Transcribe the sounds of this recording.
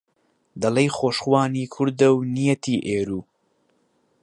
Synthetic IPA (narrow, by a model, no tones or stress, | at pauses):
d̪ɐlɐjxoːʃχwaːniːkʰʊɾd̪ɐwnijɐt̪ʰiːʔeːɾuː